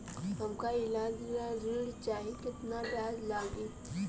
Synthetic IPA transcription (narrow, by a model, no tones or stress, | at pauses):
ɦɐmkaɪlaːd͡ʒɾaziːɽt͡ʃaːɦekɪt̪napjaːzlaːɡiː